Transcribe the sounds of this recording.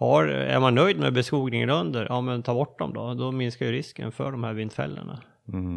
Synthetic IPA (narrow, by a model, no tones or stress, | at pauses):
haɾæ̰ɾmanːœjd̪mɛbɛskuːɡnɪŋənɵnd̪əɾʔɑːmɛnt̪ʰɑːɾbɔʈːd̪ɔmd̪ɔd̪ɔmɪnskajɵɾɪskə̰nfœ̰ɖɔmhæːɾvɪnd̪fɛ̰lːə̰ɳa